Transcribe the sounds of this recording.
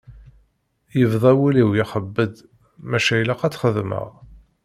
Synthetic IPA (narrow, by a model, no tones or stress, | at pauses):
jəvðˤæwiliwjiχəbːəd̪ | mæʃæjlæqæt͡sːχəðmə̰ʁ